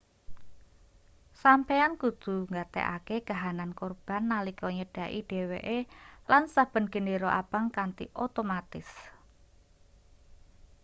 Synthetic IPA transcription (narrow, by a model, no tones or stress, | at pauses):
sampeankud̪̥ṳŋɡat̪ɛ̰ʔa̰keɡ̥aɦanankorb̥a̤nːalikɔɲəɖ̥a̤ʔḭɖ̥e̤weʔelansab̥ə̤nɡ̥ə̤neɾoʔa̰b̥a̤ŋkant̪ḭʔot̪omat̪ɪs